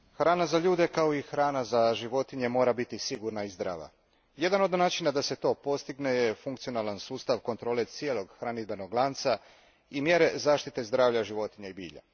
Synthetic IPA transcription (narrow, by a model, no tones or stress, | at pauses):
xɾaːnazaʎuːd̪e̞kao̞ixɾaːnazaʒiʋo̞t̪iɲe̞mo̞ːɾabit̪isiɡuɾnaizd̪ɾa̰ːʋa̰ | je̞d̪ano̞d̪naːt͡ʃinad̪ase̞t̪o̞ːpo̞st̪iɡne̞jefuŋkt̪sio̞nalˠansuːst̪aʋko̞nt̪ɾo̞ːle̞t̪sijelˠo̞ɡxɾanid̪̚beno̞ɡlˠant̪sa | imje̞ɾe̞zaːʃt̪it̪e̞zd̪ɾaːʋʎaʒiʋo̞t̪iɲaibiːʎa̰